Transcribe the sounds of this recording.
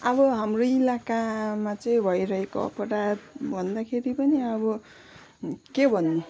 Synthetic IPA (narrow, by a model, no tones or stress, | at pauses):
ʌbʌɦamroilakamat͡sʌĩbʱʌjɾʌɦeko̰ʌ̰pʌɾad̪bʱʌnd̪akʰeɾipʌniʌbʌ | kebʱʌnːu